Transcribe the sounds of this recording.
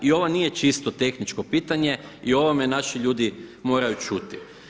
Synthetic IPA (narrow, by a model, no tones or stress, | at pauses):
io̞ʋonije̞t͡ʃist̪o̞t̪e̞xnit͡ʃko̞piːt̪aɲe̞io̞ʋome̞naʃiʎuːd̪imo̞ːɾajut͡ʃut̪i̥